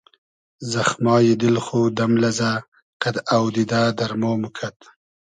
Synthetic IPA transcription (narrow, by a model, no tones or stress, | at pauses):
zaxmɑːjid̪ɪlxod̪amlaza | qad̪awd̪id̪aːd̪aɾmoːmukʰat̪